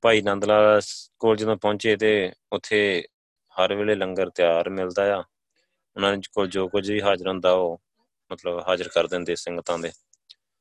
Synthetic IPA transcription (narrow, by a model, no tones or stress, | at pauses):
paːiːnãːnd̪laːskoːld͡ʒɪd̪õːpõːnt͡ʃeːt̪eːʊt̪ʰːeː | həɾʋeːleːləŋɡəɾt̪jaːɾmɪld̪aːjaː | ʊnãːnet͡ʃkoːld͡ʒoːkʊd͡ʒʋiːɦaːzəɾɦʊ̃nd̪aːoː | mət̪ləbɦaːzəɾkəɾd̪ɪ̃ːnd̪eːsɪŋɡət̪ãːd̪eː